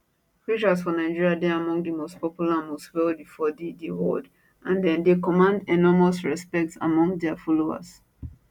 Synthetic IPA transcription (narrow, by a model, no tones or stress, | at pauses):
pɹit͡ʃasfɔnaɪd͡ʒiɹiadɛamɔ̃ŋɡdəmostpɔpjulamostwɛlbifɔdidiwo̰d | ʔãndɛ̃ndekɔmãndɛnɔmasɹɛspɛk̚tsa̰mɔ̃ŋdɛafɔloa̰s